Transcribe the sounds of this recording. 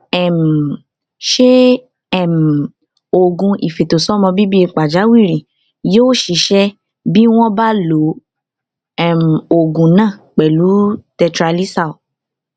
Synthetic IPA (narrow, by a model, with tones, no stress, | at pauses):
ɛ˨m̩˨ | ʃe˦ | ɛ˦˨m̩˨ | o˨ɡũ˧ʔi˨fe˨to˨sɔ˨˦mɔ̃˧bi˦bi˦i˧k͡pa˨d͡ʒa˨˦wi˦˨ɾĩ˨ | joː˦ʃi˨˧˦ʃɛ˦ | bi˦w̃ɔ̃˦ba˦lo˨˦ | ɛ˦˨m̩˨o˨ɡũ˨nãː˦˨k͡pɛ˨lu˨˦tɛ˧tɾa˧li˦sa˦˨o˨